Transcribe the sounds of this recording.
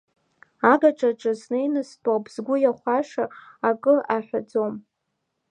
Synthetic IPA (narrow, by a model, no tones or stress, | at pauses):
aɡaʈ͡ʂʼaʈ͡ʂʼaznejnɨstʷʼabʰzɡʷʊjaχʷaʂaakʼɨʔaħʷad͡zom